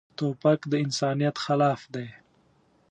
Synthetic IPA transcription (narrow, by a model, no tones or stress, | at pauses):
t̪opakd̪əɪnsɑːnijat̪xalɑːfd̪aj